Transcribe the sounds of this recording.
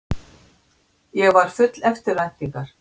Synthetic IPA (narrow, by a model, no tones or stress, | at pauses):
jɛɣvaɾ̥fʏt̪lɛft̪ɪɾajt̪niŋkaɾ̥